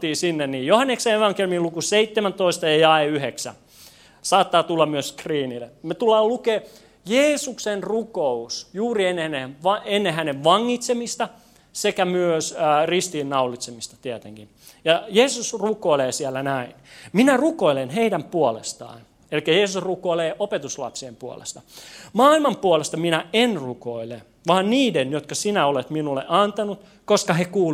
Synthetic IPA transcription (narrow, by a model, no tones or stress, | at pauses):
t̪iːsinːenniːjjohɑnːekseeʋɑŋkelymilukuseit̪ːemænt̪oist̪ɑjɑjɑeyheksæ̰ | sɑːt̪ːɑːt̪ulːɑmmyøskriːnilːḛmet̪ulːɑːlukeː | jeːsuksenrukousjuːrienːehænːeʋɑenːehæneʋʋɑŋːit̪semist̪ɑ | sekæmyøsːrist̪iːnnɑulːˑit̪semist̪ɑ̥t̪iæt̪ḛŋkin | jɑjeːsusrukoileːsiælːænæinminærukoilenheidæmpuolḛst̪ɑ̰ːn | elikːæjeːsusrukoileːʔopet̪uslɑ̰psiempuo̰lḛst̪ɑ̥mɑːilmɑmpuolest̪ɑminæenrukoile | ʋɑːnniːdenjot̪kɑsinæolet̪minulːḛʔɑnt̪ɑnut̪ | koskɑhekuː